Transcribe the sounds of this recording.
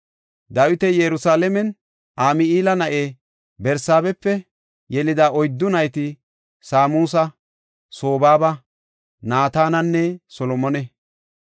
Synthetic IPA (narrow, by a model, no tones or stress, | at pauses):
d̪ɐwɪt̪ɛjɛɾʊsaːlɛmɛn | ʔaːmɪiːlɐnɐʔeː | bɛɾsaːbɛpːɛ | jɛlɪd̪aʔɔjd̪ːʊnɐjt̪ɪ | saːmuːsɐ | so̞ːbaːbɐ | naːt̪aːnɐnːɛsɔlɔmɔnɛ